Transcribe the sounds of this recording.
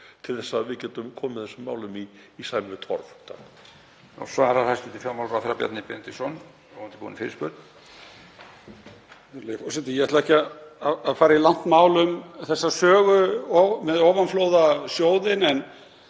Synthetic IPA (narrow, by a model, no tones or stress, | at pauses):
t̪ʰɪlθɛsːaðvɪcɛːt̪ʏmkʰɔːmɪθɛsʏmːaːwlʏmiː | saːjmɪvɪt̪ʰɔ̰ɾft̪ʰa̰n | ɔ̰svaɾaɾhajst̪ʏt̪ʰɪlfjamawlɾaθɾapjɛ̰t̪nɪpɛnt̪ɪsɔn | ɔɔnt̪ɪ̥pṵːnɪfɪɾɪspœ̰ɾt̪n | lefɔsɛt̪ɪjɛhɛɾt̪lðɛhcɪaðaaðfaːɾailan̥t̪maːwlʏmθɛsːasœːɣʏɔmɛðɔːwvanflowðasjoːwðɪnɛn